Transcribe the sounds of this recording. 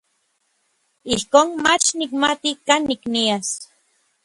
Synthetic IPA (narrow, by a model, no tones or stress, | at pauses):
ihkoːnmat͡ʃnikmat̪ikaːnːiknias